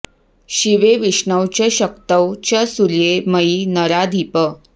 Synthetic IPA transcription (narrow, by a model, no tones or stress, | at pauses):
ɕiʋeʋiɕɳəwt͡ɕeɕəkt̪əwt͡ɕasuljeməjinəɾad̪ʱipə